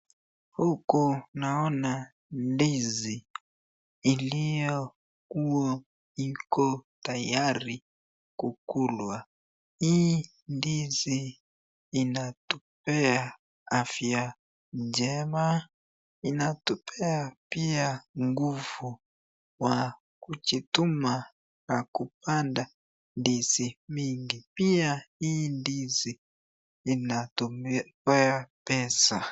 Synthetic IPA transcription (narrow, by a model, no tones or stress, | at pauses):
hukunaɔna | ndizi | lijɔ | kuɔ | ikɔtajaɾi | kukulwa | hi | ndiziː | natup̚ɛa | afja | nd͡ʒɛma | inatupʰɛapiaŋɡuvu | wa | kut͡ʃituma | nakupanda | ndizimiŋɡipiaindiziː | natumpɛapɛsa